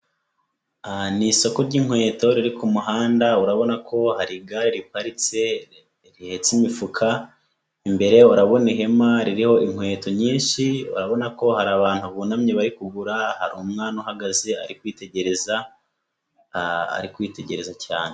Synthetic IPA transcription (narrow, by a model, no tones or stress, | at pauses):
aniso̞ko̞ɾɟiŋ̥we̞ːto̞ɾiɾikʰumuɦaːndauɾaβo̞nakʰo̞haɾiɡaɾiɾipaɾit͡se̞ | ɾihe̞t͡simifukʰa | imbe̞ɾe̞uɾaβo̞niɦe̞maɾiɾiho̞iŋ̥hwe̞ːto̞ɲiːnʃiṵɾaβo̞nako̞haɾaβaːn̥huβunamɲeβaɾikuɡuɾahaɾumŋaːnohaɡazea̰ɾikwiːte̞ɟe̞ɾe̞za | a̰ɾikwiːte̞ɟe̞ɾe̞zacaːnee